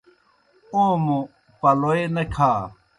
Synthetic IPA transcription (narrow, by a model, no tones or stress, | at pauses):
õːmũ | pɐloːenɐkʰaː